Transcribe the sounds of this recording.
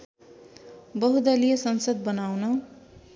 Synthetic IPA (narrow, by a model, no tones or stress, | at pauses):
bʌɦud̪ʌlijʌsʌnsʌd̪̚bʌnawnʌ